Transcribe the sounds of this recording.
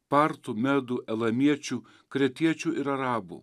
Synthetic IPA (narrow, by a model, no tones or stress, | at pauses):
pɑɾt̪umʲɛd̪uʔɛlˠɐmʲiɛt͡ʃʲu | kɾʲɛt̪ʲiɛt͡ʃʲuʔɪɾɐɾɑːbṵː